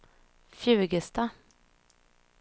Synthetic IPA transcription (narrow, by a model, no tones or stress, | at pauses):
fjʉ̟ːɡəst̪a